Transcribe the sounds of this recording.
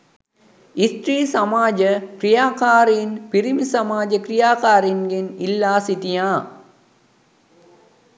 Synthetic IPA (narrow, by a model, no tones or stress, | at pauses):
ist̪ɾiːsamaːd͡ʒəkrijaːkaːɾenpiɾimisɐmaːd͡ʒəkrijaːkaːɾenɡenilːaːsit̪ijaː